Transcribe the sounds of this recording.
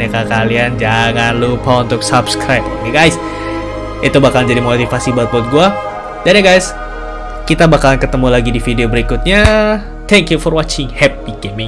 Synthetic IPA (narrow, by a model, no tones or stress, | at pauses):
akakaliand͡ʒaŋanlupaunt̪ʊksabskɾajpniɡajs | it̪ubakalnd͡ʒadimot̪ifasibat̪̚bɔt̪̚ɡua | danjaɡajs | kit̪abakalankət̪əmulaɡidifideobəɾikʊt̪̚ɲa | t̪ʰɛŋkjufɔrwat͡ʃɪŋhɛp̚ikemɪŋ